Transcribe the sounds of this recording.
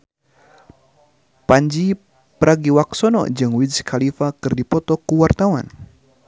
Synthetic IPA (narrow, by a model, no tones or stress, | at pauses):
paɲd͡ʒi | pəɾaɡiwak̚sɔnɔ̰ʔd͡ʒɨŋwiskʰalifakɨrdipɔt̪ɔkuwart̪awan